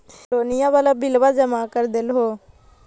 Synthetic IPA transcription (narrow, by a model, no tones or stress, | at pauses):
oːnɪjãːbaːlaːbɪlʋaːd͡ʒəmaːkəɾd̪elɦoː